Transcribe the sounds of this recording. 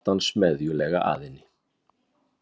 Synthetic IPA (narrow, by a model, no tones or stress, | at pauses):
t̪ansmɛðjʏlɛːɣa̰ʔa̰ːðɪnɪ